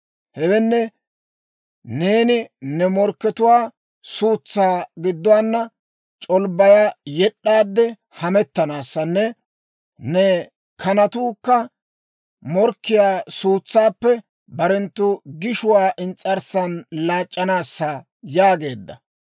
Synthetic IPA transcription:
hɛwɛnːɛ | ne̞ːnɪnɛmɔɾkːɛt̪ʊwaː | suːt͡sːaːɡɪd̪ːʊwaːnːɐ | t͡ʃʼɔlbɐjajɛɗːaːd̪ːɛ | hɐmɛt̪ːɐnaːsːɐnːɛ | nɛ | kʰɐnɐt̪uːkːɐ | mɔɾkːɪjaːsuːt͡sːaːpːɛ | bɐɾɛnt̪ːʊɡɪʃʊwaːʔɪnt͡sʼːɐɾsɐnlaːt͡ʃʼːɐnaːsːɐ | jaːɡe̞ːd̪ːɐ̰

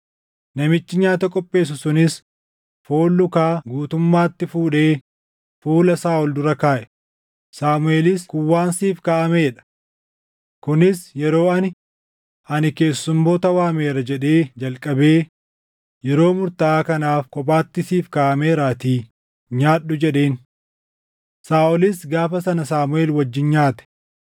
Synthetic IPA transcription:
nɐmɪt͡ʃːɪɲaːt̪ɐkʼɔpʼːe̞ːs̬ʊsʊnɪs | foːlːʊkaːɡuːt̪ʊmːaːt̪ːɪfuːᶑe̞ː | fuːlɐsaːɔld̪ʊɾɐkaːʔɛ̥ | saːmʊe̞ːlɪskʊwːaːnsiːfkaːʔɐmeːᶑɐ̥ | kʊnɪsjɛɾo̞ːɐnɪ | ʔɐnɪke̞ːsːʊmːo̞ːt̪ɐwaːmeːɾɐd͡ʒɛᶑe̞ːd͡ʒɐlkʼɐbe̞ː | jɛɾo̞ːmʊɾt̪ɐaːkɐnaːfkʼɔp̬ʼaːt̪ːɪsiːfkaːʔɐmeːɾaːt̪iː | ɲaːɗːʊd͡ʒɛᶑe̞ːn | saːʔɔlɪsɡaːfɐsɐnɐsaːmʊe̞ːlwɐd͡ʒːɪnɲaːt̪ɛ̥

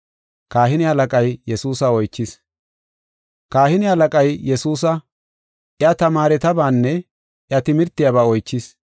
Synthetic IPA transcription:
kaːɦɪnɪhɐlɐkʼɐjjɛsuːsɐɔjt͡ʃːɪs | kaːhɪnɪhɐlɐkʼɐjjɛsuːs̬ɐ | ʔɪɐt̪ɐmaːɾɛt̪ɐbaːnːɛ | ʔɪɐt̪ɪmɪɾt̪ːɪjaβaːɔjt͡ʃːɪs

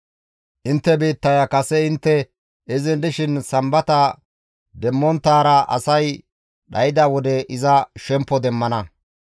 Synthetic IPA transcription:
ʔɪnt̪ːɛbiːt̪ːɐjɐkɐsɛɪnt̪ːɛ | ɛzɪnd̪ɪʃɪnsɐmbɐt̪ɐ | d̪ɛmːɔnt̪ːaːɾɐʔɐ̰sɐj | ɗɐjɪd̪awɔd̪ɛʔɪzɐʃɛmpːɔd̪ɛmːɐnɐ

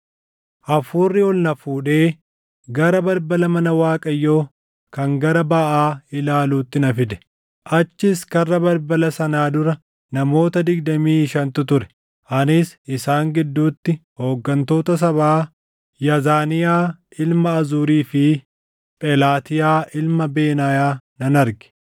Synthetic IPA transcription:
ʔɐfuːrːɪɔlnɐfuːᶑe̞ː | ɡɐɾɐbɐɾbɐlɐmɐnɐwaːkʼɐjːo̞ː | kɐŋɡɐɾɐbaʔaːɪlaːluːt̪ːɪnɐfɪd̪ɛ̥ | ʔɐt͡ʃːɪskɐrːɐbɐɾbɐlɐsɐnaːd̪ʊɾɐ | nɐmo̞ːt̪ɐd̪ɪɡd̪ɐmiːɪʃɐnt̪ʊt̪ʊɾɛ̥ | ʔɐnɪsɪsaːŋɡɪd̪ːuːt̪ːɪho̞ːɡːɐnt̪o̞ːt̪ɐs̬ɐβaː | jɐzaːnɪjaːʔɪlmɐːzuːɾiːfɪ | pʼɛlaːt̪ɪjaːʔɪlmɐbe̞ːnaːjaːnɐnɐɾɡɛ̥

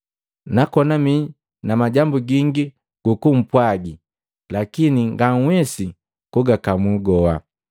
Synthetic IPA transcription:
nakɔnami | namaɟambuɡiŋɡi | ɡ̥ukum̩pwaɡi | lakiniŋɡaŋ̩wɛsi | kuɡakamuɡɔa̰

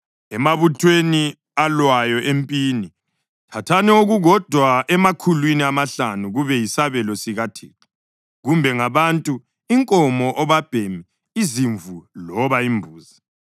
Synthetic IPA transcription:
ɛmaβutʰweni | alwajɔʔempʼiːni | tʰatʰanɛoɣuɣɔd̥ʱwaɛmakʰulwiniamaɬanuɣuβɛjisaβɛlɔsiɣatʰiːtʰḁ | ɣumbʱɛŋaβantʼu | iŋkʼɔmɔʔɔβab̥ʱemi | iziɱvulɔβaimbʱuːza

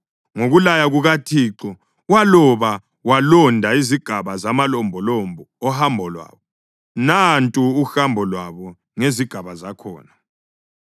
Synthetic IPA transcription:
ŋoɣulajaɣuɣatʰiːǁɔ | walɔβa | walɔndʱaiziɡ̥ʱaβazamalɔmbʱɔlɔmbʱɔːhambʱɔlwa̰ːβɔ | nantʼuːxambʱɔlwaβɔ | ŋeziɡ̥ʱaβazakʰɔ̰ːna

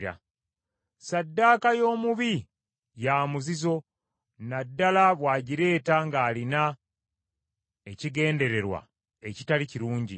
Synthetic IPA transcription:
ɾa̰ | sadːaːkajo̞ːmuβi | jaːmuzizo̞ | nadːalaβwaːɟiɾe̞ːtaŋɡaːlina | e̞ciɡe̞ːnde̞ɾe̞ɾwa̰ | e̞citaliciɾuːɲɟi

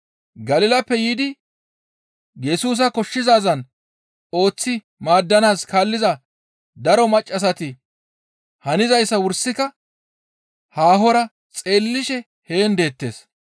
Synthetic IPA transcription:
ɡɐlɪlɐpːɛjid̪ɪ | jɛsuːs̬ɐkɔʃːɪzaːzɐn | o̞ːt͡sːɪ | maːd̪ːɐnaːskaːlːɪzɐ | d̪ɐɾɔmɐt͡ʃʼːɐs̬ɐt̪ɪ | hɐnɪzɐjsːɐwʊɾsɪkɐ | haːɦɔɾɐ | t͡sʼe̞ːlːɪʃɛ | he̞ːnd̪e̞ːt̪ːe̞̰ːs

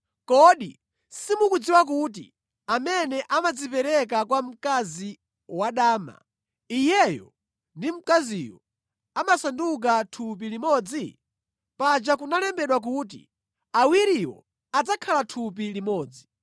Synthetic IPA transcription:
kɔɗḭ | simukud͡ziwak̬ut̬ḭ | amɛnɛʔamad͡zipɛɾɛkakwam̩kazi | waɗaːma̰ | ijɛjɔ̰ | ndim̩kazijɔ | amasanduk̬atʰup̬ilimɔd͡zi | pad͡ʒakunalɛmbɛɗwak̬ut̬ḭ | awiɾiwɔ̰ | ad͡zakʰalatʰup̬ilimɔːd͡zi

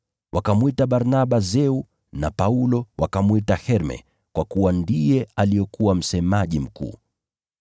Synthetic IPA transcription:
wʔakamwitaɓaɾnaɓazɛu | napaulɔwakamwitahɛɾmɛ̰ | kwakuwandijɛalijɔkuwam̩sɛmaʄim̩kṵː

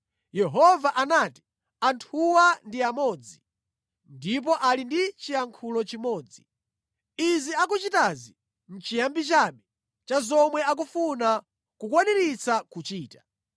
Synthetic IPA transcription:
jɛɦɔvaʔanaːti̥ | antʰuwandiamɔːd͡zi | ndip̬ɔʔalindit͡ʃijaŋkʰulɔt͡ʃimɔːd͡zi | iziakut͡ʃitazi | n̩t͡ʃijambit͡ʃaːɓɛ | t͡ʃazɔmwɛak̬ufuna | kukwanɛɾit͡sakut͡ʃiːtḁ

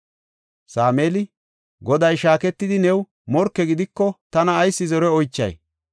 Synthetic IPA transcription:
saːmeːlɪ | ɡɔd̪ɐjʃaːkɛt̪ːɪd̪ɪnɛw | mɔɾkːɛɡɪd̪ɪkːɔt̪ɐnɐːjsːɪzɔɾɛɔjt͡ʃːɐ̰j

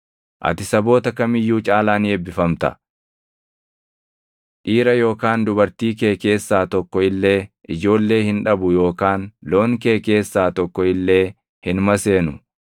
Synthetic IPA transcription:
ʔɐ̰t̪ɪsɐbo̞ːt̪ɐkɐmɪjːuːt͡ʃʼaːlaːnɪɛbːɪfɐmt̪ɐ̰ | ᶑiːɾɐjo̞ːkaːnd̪ʊbɐɾt̪iːke̞ːke̞ːsːaːt̪ɔkːɔɪlːe̞ːʔɪd͡ʒo̞ːlːe̞ːhɪnᶑɐbʊjo̞ːkaːnlo̞ːŋke̞ːke̞ːsːaːt̪ɔkːɔɪlːe̞ː | hɪnmɐse̞ːnʊ

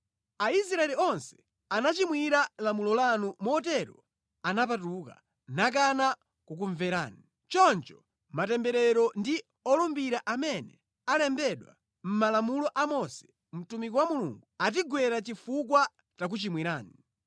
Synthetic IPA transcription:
ais̬ɾaɛliɔnsɛ̥ | anat͡ʃimwiɾalamulɔlanumɔt̬ɛɾɔ | anap̬atuka̰ | nak̬ana | kuk̬uɱvɛɾa̰ːni | t͡ʃɔnt͡ʃɔ̥ | matɛmbɛɾɛɾɔndi | ɔlumbiɾaʔamɛnɛ | alɛmbɛɗwa̰ | m̩malamulɔʔamɔsɛ̥ | m̩tumikɔwamulṵŋɡuat̬iɡwɛɾat͡ʃifukwa | t͡ʃak̬ut͡ʃimwiɾaːni

